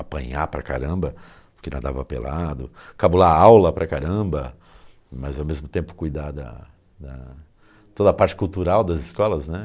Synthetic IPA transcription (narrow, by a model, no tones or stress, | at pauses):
apɐ̃ɲapɾɐka̰ɾɐ̃bɐ | pʊ̥ɾkena̰d̪avɐpḛlʔad̪ʊkabulaawlɐpɾʔɐkaɾɐ̃bɐ | mɐzawmezmʊt̪ẽmpʊ̥kujd̪ad̪ɐ̰ | d̪ɐ | t̪od̪ɐpaɾt͡ʃɪ̥kuwt̪uɾawd̪ɐzɪskɔlɐznɛ